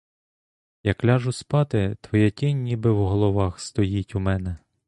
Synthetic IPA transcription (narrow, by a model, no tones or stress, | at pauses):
jɐklʲɑʒʊspɑt̪ɪt̪ʋɔjɛtʲɪnʲnʲibɪwɦɔlˠɔʋɑxst̪ɔjitʲumɛnɛ